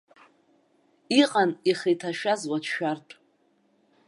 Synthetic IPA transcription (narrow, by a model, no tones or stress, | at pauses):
iqʼaniχijtʰaʃᶣazwatʰʃᶣartʼ